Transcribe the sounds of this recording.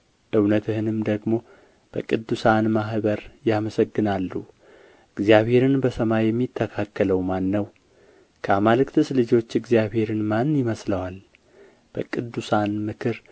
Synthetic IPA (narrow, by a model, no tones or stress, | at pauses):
ʔɨwnət̪ʰɨɦɨnɨmd̪əɡmo̞ | b̥əkʼɨd̪ːusanmaɦbəɾjaməsəɡːɨnalːu | ɨɡzijaβhe̞ɾɨnbəsəmajɛmːit̪ʰːəkʰakːələwmanːəw | kʰəamalɨkt̪ʰɨslɨd͡ʒo̞t͡ʃːɨɡzijaβhe̞ɾɨnmanːjɪməsləwal | b̥əkʼɨd̪ːusanmɨkʰɨɾ